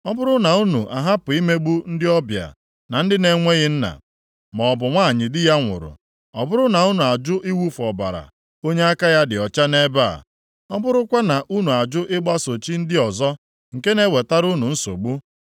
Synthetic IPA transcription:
ɔ˦bʊ˦ɾʊ˦na˨u˦nu˨ʔa˨ɦa˦pʊ˨i˦me˦ɡ͡bu˦n̩˦dɪ˦ɔ˦bja̰˨ | na˨n̩˦dɪ˦ne˨ŋʷe˦ɣɪ˦n̩˦na̰˨ | mɔ˨ɔ˨bʊ˨ŋʷaː˦˨ɲɪ˨dɪ˦ja˦ŋʷʊ̰˨ɾʊ̰˨ | ɔ˨bʊ˦ɾʊ˦na˨u˦nu˨a˨d͡ʒʊ˦ʔi˦wu˦fɔ˨ba̰˨ɾa̰˨ | o˦ɲe˦a˦ka˦ja˦dɪ˨ɔ˨t͡ʃa˦ne˦ba̰˦˨ | ɔ˦bʊ˦ɾʊ˦kʷa˦na˨ʔu˦nu˨a˨d͡ʒʊ˦ʔɪ˦ɡ͡ba˦so˨t͡ʃi˦n̩˦dɪ˦ɔ˨zɔ˦ | ŋ̩˨ke˦ne˦we˨ta˦ɾu˦nu˨n̩˦so̰˨ɡ͡bu˦

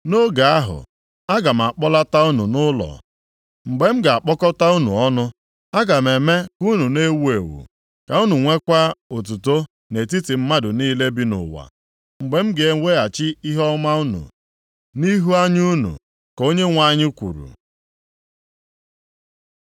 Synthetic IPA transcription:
no˦ɡa˨a˦ɦʊ̰˨ | a˦ɡa˨m̩˨a˨k͡pɔ˦la˦ta˦u˦nu˨nʊ˦lɔ̰˨ | ŋ͡m̩˨ɡ͡be˨m̩˦ɡa˨a˨k͡pɔ˦kɔ˦ta˦u˦nṵ˨ɔ˦nʊ˦ | a˦ɡa˨m̩˨e˨me˦ku˦nu˨ne˦we˨wṵ˨ | ka˨u˦nu˨ŋʷe˦kʷa˦o˨t̬u˨to˦ | ne˨t̬i˦ti˨m̩˦ma˦dʊ˨niː˦le˦bi˦nʊ̰˨wa̰˨ | ŋ͡m̩˨ɡ͡be˨m̩˦ɡe˨e˨˦we˦a˨t͡ʃɪ˦i˦ɦɔ˦ma˦u˦nṵ˨ | ni˦ɦu˦a˦ɲ˦u˦nṵ˨ | ko˦ɲe˦ŋʷa˦˨ɲɪ˦kʷṵ˨ɾṵ˨

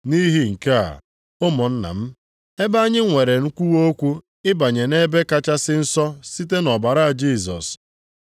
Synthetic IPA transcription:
ni˦ɦi˦ŋ̩˨ka˦a̰˨ | ʊ˦mʊ˨n̩˦na̰˨m̩˦ | e˦ba˦ɲɪ˦ŋʷe˨ɾe˨n̩˦kʷu˦wo˦kʷu˦ | ɪ˦ba˨ɲe˨ne˦be˦ka˦t͡ʃa˦sɪ˦n̩˦sɔ˦si˦te˦nɔ˨ba˨ɾa˦a˨d͡ʒi˦˨s̬ɔ̰˨s

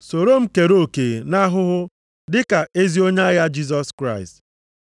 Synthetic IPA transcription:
so˨ɾo˦m̩˦ke˨ɾo˦˨ke˨na˦ɦʊ˦ɦʊ˦ | dɪ˦ka˨e˦zi˦o˦ɲe˦a˦ja˦d͡ʒi˦s̬ɔ˦skɾa˦˨ɪ˨st

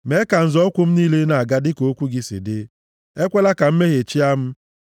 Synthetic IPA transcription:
me˦ka˨n̩˨zɔ˦kʷʊ˦m̩˦niː˦le˦na˨a˨ɡa˦dɪ˦ko˨o˦kʷu˦ɡɪ˦sḭ˨de˦ | e˦kʷe˦la˦ka˨m̩˦me˦ɣe˨t͡ʃi˦a˦m̩˦

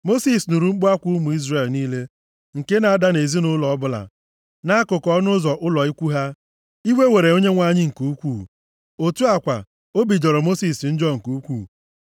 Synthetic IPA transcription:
mo˦si˦˨snu˨ɾu˨ŋ͡m̩˦k͡pʊ˦a˦kʷu˦mu˨i˦zre˨lniː˦le˦ | ŋ̩˨ke˦na˨a˨da˦ne˨zi˦nʊ˦lɔ˨ɔ˦bʊ˦la̰˨ | na˦kʊ˨kɔ˦nʊ˦zɔ˨ʔʊ˦lɔ˨i˦kʷu˦ɦa˦ | i˦we˦we˨ɾe˨o˦ɲe˦ŋʷa˦ɲɪ˦ŋ̩˨ku˨u˦kʷuː˦˨ | o˨tu˦a˨kʷa̰˨ | o˦bi˨d͡ʒɔ˨ɾɔ˨mo˦si˨sn̩˦d͡ʒɔ˦˨ŋ̩˨ku˨˦kʷṵː˨

